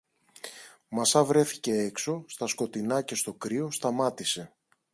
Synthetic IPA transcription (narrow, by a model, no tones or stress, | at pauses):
mɐsɐvɾe̞θi̥ce̞ekso̞st̪ɐsko̞t̪inɐce̞st̪o̞kɾio̞st̪ɐmɐt̪ise̞